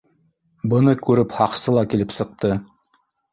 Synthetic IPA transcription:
bɤ̆nɤkʉɾɘphɑqsɤlˠɑkilɘpsɤ̆q̚t̪ɤ

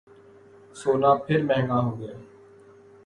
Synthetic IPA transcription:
soːnãːpʰɪɾmɛ̃ɦŋɡaːɦoːɡeeː

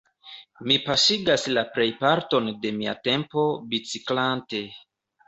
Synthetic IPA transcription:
mipaʃiɡaslapɾe̞jpaɾto̞nde̞mia̰te̞mpo̞bit͡siklante̞

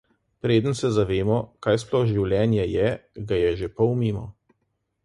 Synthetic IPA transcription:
pɾeːd̪ənsɛzaʋeːmɔkaːjsplɔxʒiwlʲjɛːnjɛjɛɡajɛʒepɔwmimɔ

